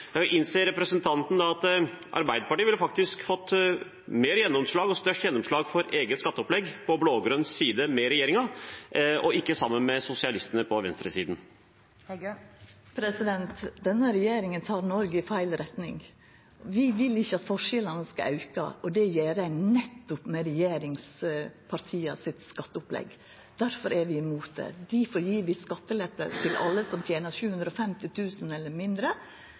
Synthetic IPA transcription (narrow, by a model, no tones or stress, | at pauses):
jɑʔɪnseːɾɛpɾəsənt̪ʰɑnt̪n̩d̪ɑɑt̪ʔɑ̰ɾbæɪd̪əpɑʈiːʋɪləfɑkt̪ɪskfɔt̪ː | meːɾəjɛnːɔmʂɭɑːɡɔst̪œʂʈjɛnːɔmʂɭɑːɡfɔɾeːɡət̪skɑt̪ːəɔplɛɡpʰɔbloːɡɾʉnsːiːd̪əmɛɾɛjeːɾɪŋɑ | ʔɔɪkːəsɑmːənmɛsʊsɪɑlɪst̪ənəpʰɔʋɛnst̪ɾəsḭːd̪n̩ | pʰɾɛsɪd̪ɛnt̪d̪ɛnːəɾɛjeːɾɪŋənt̪ʰɑːɾnɔɾɡəɪfæɪlɾɛt̪nɪ̰ŋ | ʋɪʋɪlːɪçːəɑt̪fɔʂɛlɑnəskɑɑʉkɑ̰ɔd̪ɛjeːɾænɛt̪ːʊpmɛɾɛjeːɾɪŋspʰɑɾt̪ʰiːɑsɪt̪skɑt̪ːəʊplɛ̰ɡ | d̪̥æɾfɔɾʔæɾʋɪɪmuːt̪̚d̪ɛ̰d̪ɪfoːɾjiːʋɪskɑt̪ːəlɛpːə̰t̪ʰɪlʔɑ̰lːəsɔmt̪ʰjeːnəʃʉːhʉnd̪ɾəɔfɛmt̪ɪt̪ʰʉːsənɛlːəɾmɪnd̪ɾə